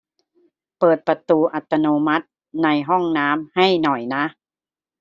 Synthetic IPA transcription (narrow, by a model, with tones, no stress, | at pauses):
pɤː˨˩t̪̚pa˧t̪uː˧ʔa˨˩t̪ːa˧noː˧ma˦˥t̪̚ | na˧jɦɔ˥˩ŋnaː˦˥mha˥˩jnɔ˨˩jna˦˥ʔ